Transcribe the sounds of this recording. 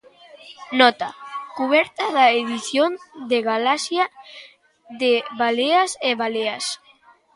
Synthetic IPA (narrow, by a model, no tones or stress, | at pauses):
nɔt̪akuβ̞ɛɾt̪aðaeðiθjond̪eɣalasja | ðeβaleaseβaleas